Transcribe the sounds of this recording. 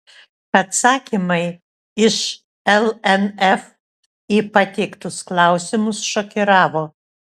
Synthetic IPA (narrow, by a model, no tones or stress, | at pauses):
ɐt̪sɑːkʲimɐɪ | ɪʃ | ɛlˠɛnɛf | iːpɐt̪ʲɛɪkt̪ʊsklˠɑˑʊsʲɪmʊsʃoːkʲɪɾɑːʋoː